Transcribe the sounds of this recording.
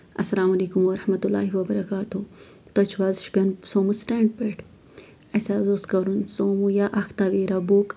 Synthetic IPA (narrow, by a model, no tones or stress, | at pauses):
ɐsːɐlaːmɐliːkumwɐɾɐhmɐt̪ulːa̰ːhiwɐbɐɾɐkaːt̪u | t̪ot͡ʃʰwaːzʃbɐnsoːmusʈeːɳɖpeʈ | ɐsaːzoːskɐɾunsomujaʔɐxt̪aːʋiːɾabuk